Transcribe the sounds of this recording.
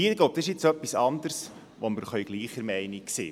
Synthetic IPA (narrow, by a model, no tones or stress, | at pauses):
iːɾɡ̥loʊp̚t̪ɑsɪʃɪt͡sœpːisɑnd̪əɾs | ʋoməɾχœʏɡ̥liːχəɾmɛɪniksḛː